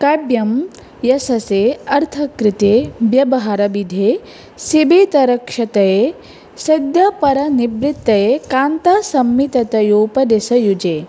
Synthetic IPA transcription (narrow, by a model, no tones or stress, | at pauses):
kɐbjɐm | jɐsɐseːɐɾt̪ʰɐkɾɪt̪eːbjɐbɐɦɐɾɐbid̪ʱeː | sibeːt̪ɐɾɐkʂɐt̪ɐje | sɐd̪jɐpɐɾɐnibɾɪt̪ːɐjekaːnt̪ɐsɐmːit̪ɐt̪ɐjuːpɐd̪esɐjud͡ʒeː